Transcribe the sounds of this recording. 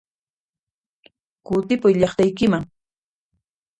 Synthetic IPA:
kʊt̪ɪpʊjʎɑχt̪ajkɪmaŋ

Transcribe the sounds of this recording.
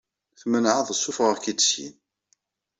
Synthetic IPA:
θmənʕəðˤəsːʊfʁəʁkid̪̥sjḭn

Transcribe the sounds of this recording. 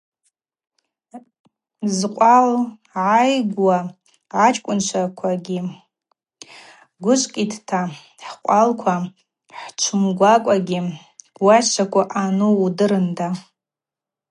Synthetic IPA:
zqʷʼal | ʕajɡwaː | t͡ʃʼkʷʼʊnt͡ʃʷʰakʷʰaɡʲi | ɡʷʊʃʷʼkʲʼitʰtʰa | ħqʷʼalkʷʰa | ħt͡ʃʷʰʊmɡʷakʷʼaɡʲi | wat͡ʃʷʰakʷʰʼaʔanuudɨɾɨnda

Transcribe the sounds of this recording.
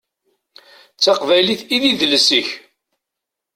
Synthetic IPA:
t͡sːɑqvæjliθiðiðləsiç

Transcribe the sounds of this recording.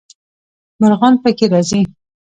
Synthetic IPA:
maɾɣɑnpəkeɾɑzi

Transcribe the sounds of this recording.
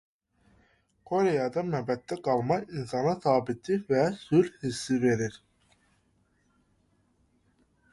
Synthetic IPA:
kʰoɾejɑd̪ɑmæbɛt̪ːɛɡɑlˠmɑinsɑnɑsɑːbit̪ʰivɛsulhisːive̞ɾiɾ

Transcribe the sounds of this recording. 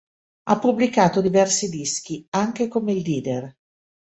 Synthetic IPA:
apːublikaːt̪od̪ivɛrsid̪isk̟iaŋk̟ekomeild̪iːd̪er

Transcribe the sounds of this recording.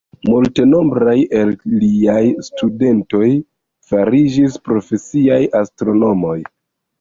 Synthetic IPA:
multe̞no̞mbɾaje̞lːiajstude̞nto̞j | faɾid͡ʒispɾo̞fe̞siajʔastɾo̞no̞mo̞j

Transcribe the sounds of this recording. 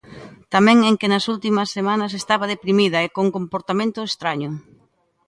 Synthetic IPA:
t̪amɛ̃ŋeŋkɪnɐsult̪imɐsːemanɐs̬est̪aβɐð̞epɾimiðɐekoŋkompoɾt̪amẽnt̪ʊest̪ɾaɲʊ

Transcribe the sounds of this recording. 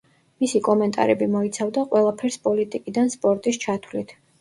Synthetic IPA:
misikʼɔmɛnt̪ʼa̰ɾɛbimɔit̪sʰavd̪aqʼwɛlˠapʰɛɾspʼɔlit̪ʼikʼid̪anspʼɔɾt̪ʼist͡ʃʰat̪ʰwlit̪ʰ

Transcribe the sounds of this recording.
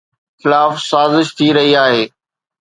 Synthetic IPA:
xɪlaːfsaːzɪʃt̪ʰiɾɐɦiaːɦeː

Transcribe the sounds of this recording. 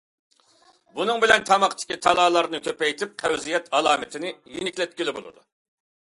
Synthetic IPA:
bunɨŋbɪlɛnt̪ʰɑmɑqt̪ʰɪ̥kʲit̪ʰɑlˠɑːlˠɑɾnɨkʲøpɛjt̪ʰɪp̚qʰæwzijɛt̪ʰɑlˠɑːmɪt̪ʰɪnɪjinɪkʲlɛt̪̚kʲilɪbo̰lˠɨ̰d̪u

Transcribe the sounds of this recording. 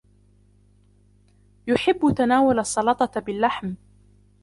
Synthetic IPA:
jʊħɪbːʊt̪anaːwʊlɑsˤːɑlɑt̪ˤɑbɪlːaħm

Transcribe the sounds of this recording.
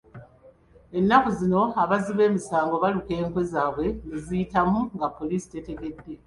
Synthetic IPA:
e̞nːakuzino̞aβaziβe̞ːmisaːŋɡo̞βaluke̞ːŋkwe̞zaːβwe̞ŋɡizijitamuŋɡapːo̞liːsi̥te̞te̞ɡe̞dːe̞

